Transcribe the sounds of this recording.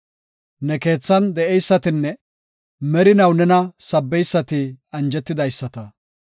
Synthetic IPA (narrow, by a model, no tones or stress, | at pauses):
nɛke̞ːt͡sːɐnd̪ɛɛjsːɐt̪ɪnːɛ | mɛɾɪnɐwnɛnɐsɐbːɛjsːɐt̪ɪɐnd͡ʒɛt̪ːɪd̪ɐjsːɐt̪ɐ